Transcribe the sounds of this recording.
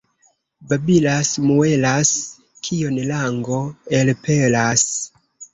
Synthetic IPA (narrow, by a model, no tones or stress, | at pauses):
babilasmue̞las | kʰionlaŋɡo̞elpelas